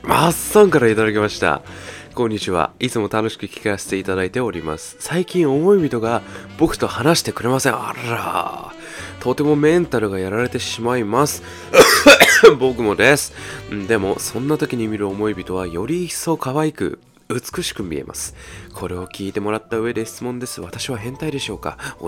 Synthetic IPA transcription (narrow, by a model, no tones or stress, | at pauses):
masːãŋkaɾait̪ad̪akʲe̞maɕi̥t̪a̰kõ̞ɲ̟ːit͡ɕiβa̰it͡sɨmo̞t̪ano̞ɕi̥kɯ̟kʲi̥kase̥t̪e̞it̪ad̪ait̪e̞o̞ɾʲima̰sɨ̥saikʲĩɰ̃o̞mo̞ibʲit̪o̞ɡab̥o̞kɯ̟̥t̪o̞hanaɕi̥t̪e̞kɯ̟ɾe̞masẽ̞a̰ɾa̰ | t̪ʰo̞t̪e̞mo̞mẽ̞nt̪aɾɯ̟ɡajaɾaɾe̞t̪e̞ɕimaimasɨ̥ | bo̞kɯ̟mo̞d̪e̞sɨ̥d̪e̞mo̞sõ̞nːat̪o̞kʲiɲ̟imʲiɾɯ̟o̞mo̞ibʲit̪o̞β̞ajo̞ɾʲiso̞kaβaikɯ̟̰ | ɯt͡sɨ̥kɯ̟ɕi̥kɯ̟mʲḭe̞̰mʔa̰sɨ̥kʰo̞ɾe̞o̞kʲiːt̪e̞mo̞ɾat̪ːaɯ̟βe̞d̪e̞çi̥t͡sɨmõ̞nd̪e̞sɨβ̞at̪aɕiβaɦẽ̞nt̪aid̪e̞ɕo̞ːka̰